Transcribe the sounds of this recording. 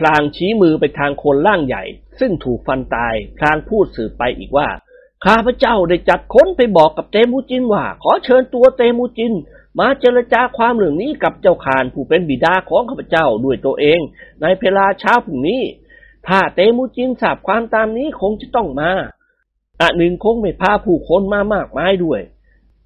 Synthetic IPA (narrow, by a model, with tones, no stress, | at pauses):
pʰlaː˧ŋt͡ɕʰiː˦˥mɯː˧pa˧jt̪ʰaː˧ŋkʰo˧nɾaː˥˩ŋja̰˨˩jsɯ˥˩ŋt̪ʰuː˨˩k̚fa˧nt̪aː˧jpʰlaː˧ŋpʰuː˥˩t̪̚sɯː˨˩p̚ːa˧jʔḭː˨˩k̚waː˥˩ | kʰaː˥˩pʰa˧t͡ɕa˥˩wda˥˩jt͡ɕa˨˩t̪̚kʰo˦˥˨npa˧jbɔː˨˩kːa˨˩p̚t̪eː˧muː˧˥t͡ɕi˧nwaː˥˩kʰɔː˨˦t͡ɕʰɤː˧nt̪u˧ɐt̪eː˧muː˧t͡ɕi˧n | maː˧t͡ɕeː˧ɾa˧t͡ɕaː˧kʰwaː˧mlɯ˨˩əŋniː˦˥˨ka˨˩p̚t͡ɕa˧˥˩wkʰaː˨˩npʰuː˧˩pe˧nbiː˨˩daː˧kʰɔː˨˦ŋkʰaː˥˩pʰːa˧t͡ɕa˥˩wdu˧˩əjt̪u˧ɐʔeː˧ŋna˧jpʰeː˧laː˧t͡ɕʰaː˦˥wpʰu˨˩niː˦˥˨ | t̪ʰaː˥˩t̪eː˧muː˧˥t͡ɕi˧nsaː˨˩p̚kʰwaː˧mt̪aː˧mniː˦˥˨kʰo˧ŋt͡ɕa˨˩t̪ɔ˥˩ŋmaː˧ | ʔa˨˧˩nɯ˨˩ŋkʰo˧ŋma˥˩jpʰaː˧˩pʰuː˧˩kʰo˧˥nmaː˧maː˥˩k̚maː˧˥jdu˥˩əj